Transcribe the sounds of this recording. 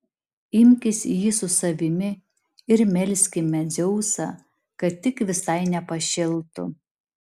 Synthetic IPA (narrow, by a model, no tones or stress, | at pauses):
ɪmʲkʲɪsʲjisʊsɐʋʲɪmʲɪ | ɪɾmʲɛlʲsʲkʲɪmʲɛd͡z̪ʲɛʊsɐ̰ | kɐt̪t̪ʲːɪkʋʲɪsɐɪnʲɛpɐʃʲɪlˠt̪ʊ̰